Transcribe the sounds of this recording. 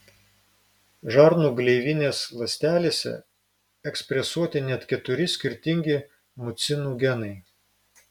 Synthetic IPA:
ʒɑɾnuːɡlʲɛɪʋʲɪnʲeːslˠɐsʲt̪ʲæːlʲeːsʲɛ̰ | ɛksʲpʲɾʲɛsuɔt̪ʲɪnʲɛt̪kʲɛt̪ʊɾʲɪsʲkʲɪɾʲt̪ʲɪŋʲɡʲɪ | mʊt̪sʲɪnuːɡʲɛnɐɪ

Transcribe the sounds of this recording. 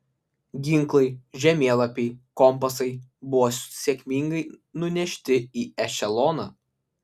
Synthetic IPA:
ɡʲɪŋˑklˠɐɪʒʲɛmʲeːlˠɐpʲɛɪkɔmpɐsɐɪbʊʋoːssʲekʲmʲɪŋɡɐɪnʊnʲɛʃʲt̪ʲɪiːɛʃʲɛlˠɔnɐː

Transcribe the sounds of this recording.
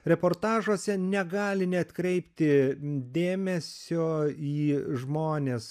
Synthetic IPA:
ɾʲɛpoːrt̪ɑːʒoːsʲɛnʲɛɡɑːlʲɪnʲɛt̪kɾʲɛɪpʲt̪ʲɪd̪ʲeːmʲɛsʲoːiːʒmoːnʲeːs

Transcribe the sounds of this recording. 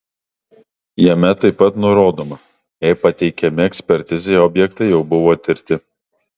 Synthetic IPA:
jɛmʲɛt̪ɐɪpːɐt̪nʊɾoːd̪oːmɐ | jɛɪpɐt̪ʲɛɪkʲɛmʲɪɛksʲpʲɛɾʲt̪ʲɪzʲɛɪɔːbʲjɛkt̪ɐɪjɛʊbʊʋoːt̪ʲɪɾʲt̪ʲɪ

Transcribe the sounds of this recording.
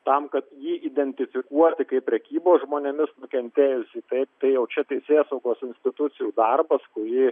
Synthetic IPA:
t̪ɐmkɐt̪jiːʔid̪ʲɛnʲt̪ʲɪfʲɪkuɔt̪ʲɪkɐɪpʲːɾʲɛkʲiːboːsʒmoːnʲɛmʲɪsnʊkʲɛnʲt̪ʲeːjʊsʲiːt̪ɐɪp̚t̪ɐɪjɛʊt͡ʃʲɛt̪ʲɛɪsʲeːsɐʊɡoːsɪnʲsʲt̪ʲɪt̪ʊtt͡ssʲɪjuːd̪ɐrbɐskʊɾʲɪː

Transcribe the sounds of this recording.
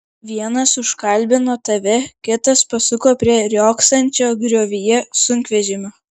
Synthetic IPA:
ʋʲiɛnɐsʊʃkɐlʲˑbʲɪnoːt̪ɐʋʲɛkʲɪt̪ɐspɐsʊkoːpʲɾʲiɛɾʲoːksɐnʲt͡ʃʲoːɡɾʲoːʋʲijɛsʊŋʲkʲʋʲɛʒʲɪmʲoː

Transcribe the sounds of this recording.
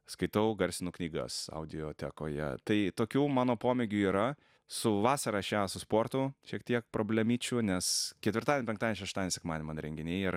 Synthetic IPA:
skɐɪt̪ɐʊɡɐɾʲsʲɪnuːknʲiːɡɐ̰sɐ̰ʊd̪ʲɪoːt̪ʲɛko̰ːjɛ̰t̪ɐɪt̪oːkʲuːmɑːnoːpoːmʲeɡʲuːiːɾɐ | sʊʋɑːsɐɾɑʃʲæsʊspoːrt̪ʊʃʲiɛkt̪ʲiɛk̚pɾʔoːbʲlʲɛmʲiːt͡ʃʲʊnʲɛskʲɛt̪ʲʋʲɪrɾt̪ɑːdʲenʲpʲɛŋktɑd̪ʲnʲʃɛʃt̪ɑːd̪ʲɛnʲsʲɛkmɑːd̪ʲnʲɪmɐnɾʲɛŋʲɡʲɪnʲɛɪiɾ

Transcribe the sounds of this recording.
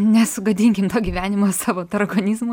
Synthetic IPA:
nʲɛsʊɡɐd̪ʲiŋʲkʲɪmt̪oːɡʲiːʋʲæːnʲɪmoːsɑːʋoːt̪ɐɾɐɡoːnʲizmʊ

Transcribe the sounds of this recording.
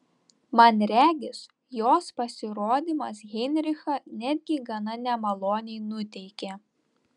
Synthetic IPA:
mɐnɾʲæːɡʲɪs | joːspɐsʲɪɾoːd̪ʲimɐsɣʲɛnʲɾʲɪxɐnʲæd̪ʲɡʲɪɡɐnɐnʲɛmɐlˠoːnʲɛɪnʊt̪ʲɛɪkʲe

